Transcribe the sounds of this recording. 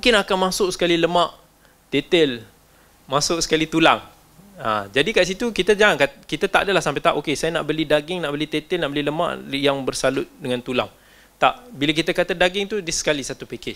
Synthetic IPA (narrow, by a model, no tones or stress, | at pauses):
mũŋkɪnakanmãsʊʔsə̥kaliləmãʔ | t̪et̪əl | mãsʊʔ̚sə̥kalit̪ulaŋ | a̰d͡ʒadikaʔs̬it̪ukit̪ad͡ʒaŋankakit̪at̪aʔdəlahsampɛjt̪aʔokesajanaʔbəlidaɡɪŋnaʔbəlit̪et̪əlnaʔbəliləmã̰ʔjaŋbərsalʊt̪̚dəŋant̪ula̰ŋ | t̪a̰ʔbilak̬it̪akat̪adaɡɪŋt̪udiəsə̥kalisat̪upekɪd͡ʒ